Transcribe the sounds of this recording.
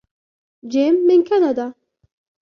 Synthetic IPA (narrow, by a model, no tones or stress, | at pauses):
d͡ʒɪmːɪnkɐnɐd̪ɐ